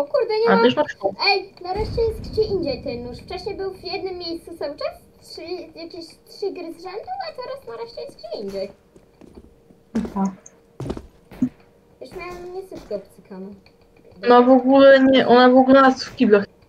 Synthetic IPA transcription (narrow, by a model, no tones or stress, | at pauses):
ɔkuɾd̪ɛɲɛaɛʂnauɛjnaɾɛʂt͡ɕɛjɛst̪kd͡ʑɛʔiɲd͡ʑɛjt̪ɛnnuʂft͡ʂaɕɛbɘwvjɛd̪nɘmːjejst̪susawt͡ʂɛstʂlʲijakʲeɕt̪ʂɘɡɾɘzʐɛnd̪uat̪ɛɾasnaɾɛʂt͡ɕɛjɛst̪t͡ɕɛiɲd͡ʑɛj | t̪ak | jɛʂmʲjawɛmɲɛsɨt̪kɛɔpt̪sɛkanɔ | d̪ɔnavɔɡulɛɲɛʔɔnavɔɡulɛnast̪fkʲiblɛx